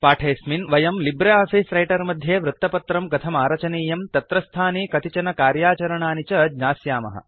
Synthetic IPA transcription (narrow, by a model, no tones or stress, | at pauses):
paːʈʰeːsminʋɐjɐmlibɾeaːfiːsɾɐjʈɐɾmɐd̪ʱjeːʋɾut̪ːɐpɐt̪ɾɐmɡɐt̪ʰɐmaːɾɐt͡ʃɐniːjɐmt̪ɐt̪ɾɐst̪ʰaːniːkɐt̪it͡ʃɐnɐkaːɾjaːt͡ʃɐɾɐɳaːnit͡ʃɐd͡ʒɲaːsjaːmɐ̰ɦɐ̰